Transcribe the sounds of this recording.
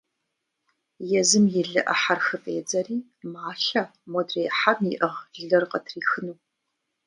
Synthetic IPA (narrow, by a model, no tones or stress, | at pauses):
jɛzɨmjɪɮɨʔɐ̰ħarxɨpʼeːd͡zɐriː | maːɬɐmodreːħamiʔɐʁɮɮɐrqɐtʰriːxɨnuː